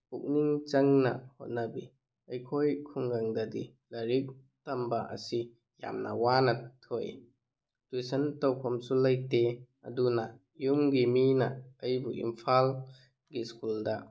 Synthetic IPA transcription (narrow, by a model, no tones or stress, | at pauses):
puk̚niŋt͡ʃɐŋna̰hɔ̰t̚nabi | ɐjkʰojkʰuŋɡaŋdadi | lɐɾik̚ | tɐmbaʔɐ̰si | ja̰mna̰wanɐtʰoj | tujsɐntawkʰɔmsulajte | ɐ̰duna | jumɡiminaɐjbuʔḭmpʰal | ɡiskulda